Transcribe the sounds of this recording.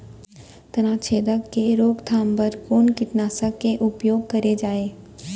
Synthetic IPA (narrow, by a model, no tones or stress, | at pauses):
t̪ɐnãt͡ʃʰeːd̪əkkeɾoːɡt̪ʰaːmbəɾkoːnkɪʈnaːsəkːeʔʊpjoːɡ̚kɐɾed͡ʒaːeː